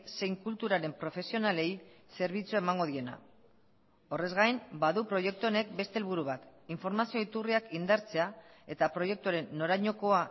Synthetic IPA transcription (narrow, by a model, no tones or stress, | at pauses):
se̞jŋkult̪uɾaɾe̞mpɾo̞fe̞sio̞nale̞jse̞ɾβ̞it͡sue̞maŋɡo̞ð̞ie̞na̰ | o̞re̞zɣajmbaðupɾo̞je̞k̚t̪uone̞k̚be̞st̪e̞lβuɾuβ̞at̪iɱfo̞ɾmasio̞it̪uriakind̪aɾt͡se̞ae̞t̪apɾo̞je̞k̚t̪uaɾe̞nːo̞ɾaɲo̞ko̞a